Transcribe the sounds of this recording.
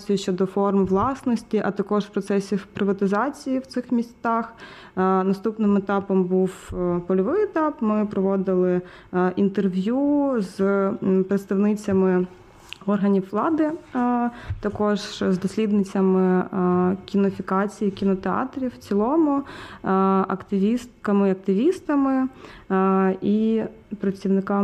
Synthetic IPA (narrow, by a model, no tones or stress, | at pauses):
sʲjt͡ʃːɔd̪ɔfɔrmʋlˠɑsnɔsʲtʲiʔɐt̪ɐkɔʒwpɾɔt̪sɛsʲipɾɪʋɐt̪ɪzɑt͡sʲijiwt̪sɪxmʲisʲt̪ɑx | nɐst̪upnɪmet̪ɑpɔmbuwpɔlʲɔʋɪjɛt̪ɑpmɪpɾɔʋɔd̪ɪlˠɪ | ʔint̪erʋʲjuzpɾet̪st̪ɐʋnɪt͡sʲɐmɪ | ɔrɦɐnʲiwːlˠɑd̪ɪ | t̪ɐkɔʒzd̪ɔsʲlʲid̪nɪt͡sʲɐmɪ | kʲinɔfʲikɑt͡sʲijikʲinɔt̪eɑ̰t̪ɾʲiwt͡sʲilˠɔmʊ | ɐ̰kt̪ɪʋʲist̪kɐmɪɐk̚t̪ɪʋʲist̪ɐmɪ | i | pɾɐt͡sʲiwnɪkɑ